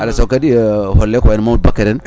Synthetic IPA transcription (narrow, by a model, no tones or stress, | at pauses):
alasokadiɦolːekwainmaut̚bakaɾen